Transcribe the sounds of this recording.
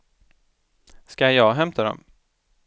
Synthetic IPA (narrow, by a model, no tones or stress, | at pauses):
skajɑːɡɦɛmt̪ʰad̪ɔ̰m